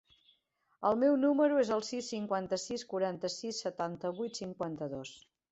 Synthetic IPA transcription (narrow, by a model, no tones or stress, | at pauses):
əlˠmewnuməɾuezəlˠsisːiŋkwant̪əsiskuɾant̪əsisːət̪ant̪əβujt̪siŋkwant̪əðos